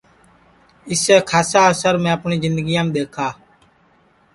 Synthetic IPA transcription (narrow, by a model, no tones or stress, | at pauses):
ɪseːkʰaːsaːəsəɾmɛ̃ːəpɳiːzɪnd̪əɡijãːmːd̪eːkʰaː